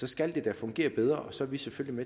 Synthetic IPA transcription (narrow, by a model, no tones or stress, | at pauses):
sɒ̽sɡ̥æld̥e̝d̥æfɔ̽ŋɡ̥e̝̰ːɐb̥eð̞ˠʁɐʔɒ̽sɒ̽ʋiseføllime